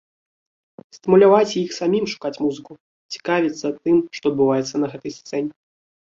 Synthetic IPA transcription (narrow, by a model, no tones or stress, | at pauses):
st̪ɨmulʲavat͡sʲijixsamʲimʂu̥kat͡sʲmuzɨku | t͡sʲi̥kavʲit̪sːɐt̪ɨmʂt̪ɔɐd̪̚bɨvajɛt̪sːɐnɐɣɛt̪ɐjst̪sɛnʲɛ